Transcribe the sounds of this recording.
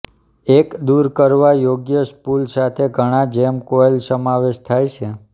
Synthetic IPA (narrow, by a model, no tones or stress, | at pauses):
ekd̪uɾkəɾʋajoɡjəskulsat̪ʰeɡʱəɽ̃ãd͡ʒemkoelsəmaʋeʃt̪ʰajt͡ʃʰe